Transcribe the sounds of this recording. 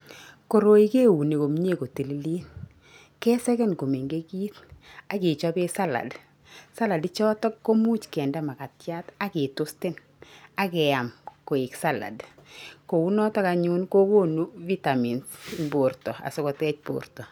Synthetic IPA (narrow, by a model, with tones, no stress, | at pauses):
ko˨ɾo˨˦i˦ke˦wu˨ne˨ko˨m˦ɲe˦˨ko˨ti˨li˦liː˦n | kɛ˦sɛ˦kɛ˦nko˨me˨ŋɡe˦kiː˦ta˨kɪ˨t͡ʃɔ˦be˦sa˦la̰˨d | sa˦la˨dit͡ʃɔ˦tɔ˦kːo˦mu˦t͡ʃkɛ˨nda˨ma˨ka˨tt͡ʃja˦ta˦ke˨to˦stɪ˦n | a˨kɛ˨a˨mko˨ɪ˨ksa˦la̰˨dko˨u˦nɔ˦tɔ˦ka˨ɲu˦nko˦ko˦nu˦vi˦ta˨mi˨nsnbo˨ɾtɔ˨a̰˨so˦kɔ˨tɛ˦t͡ʃpo̰rtɔ˨